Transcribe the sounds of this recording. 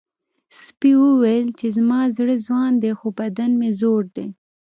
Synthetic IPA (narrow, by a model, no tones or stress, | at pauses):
spiwəwelt͡ʃezmɑzɽəzwɑnd̪exobad̪anmezoɽd̪e